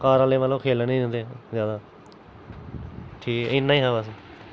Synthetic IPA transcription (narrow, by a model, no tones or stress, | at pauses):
kaːɾaːleːʋəlõːkʰeːlnĩːə̃nd̪ezjaːd̪aː | ʈʰiːkɪnːaːĩːɦãːbəs